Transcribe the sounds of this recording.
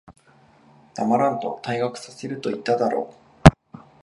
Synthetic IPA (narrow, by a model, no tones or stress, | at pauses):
d̪̥amaɾãnt̪o̞̰t̪aiɡakɯ̥sase̞ɾɯ̟t̪o̞it̪ːad̪aɾo̞̰ː